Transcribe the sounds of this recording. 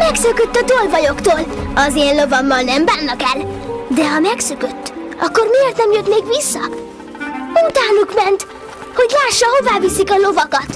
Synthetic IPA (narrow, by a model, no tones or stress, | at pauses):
mɛksøkøt̪ːɒt̪olvɒjo̞kt̪oːlɒzeːnlo̞vɒmːɒlnɛmbaːnːɒkɛld̪ɛɦɒmɛksøkøt̪ːɒkːo̞rmieːrt̪nɛmjøt̪meːɡʋisːɒ | ut̪aːnukmɛnt̪ | ho̞ɟlaːʃːɒho̞vaːvisikɒlo̞vɒkɒt̪